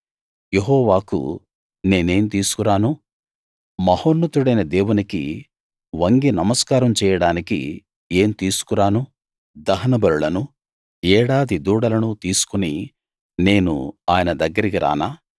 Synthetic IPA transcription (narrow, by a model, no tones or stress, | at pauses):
jeɦɔːʋaːkṵ | ne̞ːne̞ːmt̪iːsu̥kuɾaːnu | mɐhoːnːut̪uɽɐjnɐd̪e̞ːwunikḭ | ʋɐŋɡinɐmɐskaːɾɐmt͡ʃɛːjɐɽaːnikḭ | eːmt̪iːsu̥kuɾaːnu | d̪ɐɦɐnɐbɐɾulɐnu | ɛːɽaːd̪id̪uːɽɐlɐnut̪iːsu̥kuni | ne̞ːnṵaːjɐnɐd̪ɐɡːɐɾikiɾʔa̰ːnaː